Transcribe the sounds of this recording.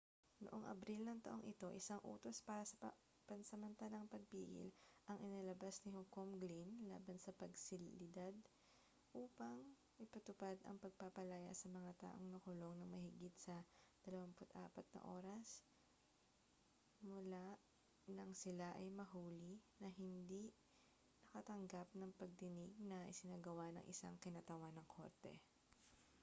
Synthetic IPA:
noʔoŋʔɐ̰bɾilnɐŋt̪ɐʔo̞ŋʔɪt̪o̞ʔɪsaŋʔṵːt̪o̞spaːɾɐsɐɐ | pɐnsɐmɐnt̪aːlɐŋpɐɡ̚piːɡɪ̰lʔɐŋʔɪnalɐbasnɪhokomɡlinla̰ːbɐnsɐpɐɡsɪlɪd̪ad̪̚ | ʔuːpɐŋ | ʔɪpɐt̪ʊpad̪ɐ̰ŋpɐɡ̚papɐlaja̰ʔsɐmɐŋat̪a̰ːʔoŋnɐkʊlo̞ŋnɐŋmɐhɪɡɪt̪̚sɐd̪̥ɐlɐwampʊt̪ʔa̰ːpɐt̪̚nɐ̰ʔo̞̰ːɾɐs | mʊla | nɐŋsɪlaʔɐjmɐɦuːlinɐɦɪnd̪i | nɐkɐt̪ɐŋɡap̚nɐŋpɐɡ̚t̪ɪnɪɡ̚nɐʔɪsɪnaːɡɐwanɐ̰ŋʔɪsa̰ŋkɪnaːt̪ɐwanɐŋkʰo̞̰ɾt̪ɛ̰

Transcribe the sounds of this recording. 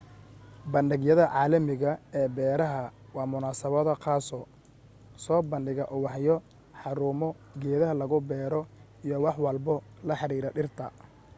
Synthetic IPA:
bɐnɖɪɡjɐðɐʕɑːlɐmɪɣɐɛːbɛːɾɐɦɐwɑːmʊnaːsɐβɔðɐqʰɑːsɔ | sɔːbɐnɖɪɣɐʔʊwɑħjɔ | ħɑɾuːmɔ | ɡɛːðɐɦɐlɐɣʊbɛːɾɔ | ijɔwɑħwɑlbɔlɐħɑɾiːɾɐɗɪrt̪ʰɐ

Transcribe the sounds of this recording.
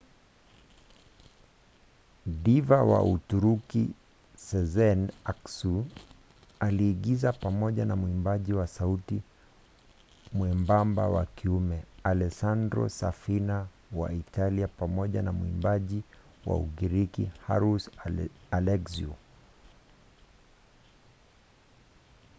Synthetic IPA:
divawa̰utuɾuki | sɛzɛnaksu | aliːɠizapamɔʄanamuimbaʄiwasauti | mwɛmbamba̰wa̰kiumɛalɛsandɾɔ̰safina | wa̰italiapamɔʄanamuḭmbaʄi | wa̰ṵɡiɾikḭhaɾusalɛksiu

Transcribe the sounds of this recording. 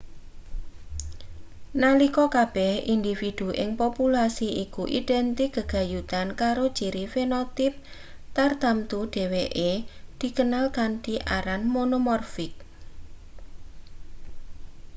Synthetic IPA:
nalikɔkab̥ɛhind̪ifid̪̥ṳʔɪŋpopulasiikuʔḭɖ̥ɛnt̪ɪk̚ɡ̥əɡ̥a̤jut̪ankaɾod̥ʒ̥iɾifenɔt̪ɪp̚ | t̪ard̪̥amt̪uɖ̥ɛ̤weʔed̪̥i̤kənalkand̪iʔaɾanmonomɔrfɪk̚

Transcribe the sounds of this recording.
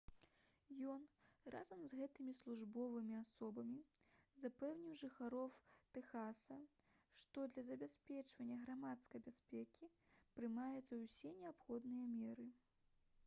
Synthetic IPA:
jɔnra̰zɐmzɣɛt̪ɨmʲislˠuʐbɔvɨmʲiasɔbɐmʲizapɛwnʲiwʐɨxaɾɔwt̪ɛxasɐ | ʂt̪ɔd̪lʲɐzɐbʲasʲpʲɛt͡ʂvɐnʲːɐɣɾamat̪skɐjbʲasʲpʲɛkʲi | pɾɨmajɛt̪sɐwsʲɛnʲɛapxɔd̪nɨjɐmʲɛɾɨ

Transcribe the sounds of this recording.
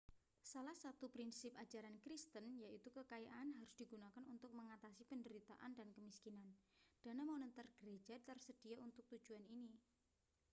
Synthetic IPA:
salahsat̪upɾinsɪp̚ḁd͡ʒaɾankɾist̪ənjait̪ukəkajaʔanɦaɾʊsd̥iɡunakanunt̪ʊk̚məŋat̪asipəndəɾit̪a̰ʔandankəmiskinand̥anamonət̪ərɡ̥əɾe̥d͡ʒat̪ərsəd̥iaunt̪ʊk̚t̪u̥d͡ʒ̥uanini

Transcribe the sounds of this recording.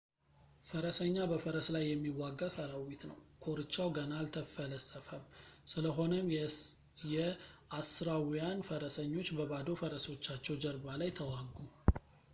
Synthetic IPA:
fəɾəsəɲːabəfəɾəslajːɛmːiwːaɡːasaɾawːit̪nə̰wkʰo̞ɾɨt͡ʃːawɡənalt̪ʰəfələsʼəfəmsɨləɦo̞nəm | jɛʔasɨɾawjanfəɾəsəɲːo̞t͡ʃːbəβad̪o̞fəɾəso̞t͡ʃːat͡ʃːɛwd͡ʒəɾbalajt̪ʰəwaɡːu

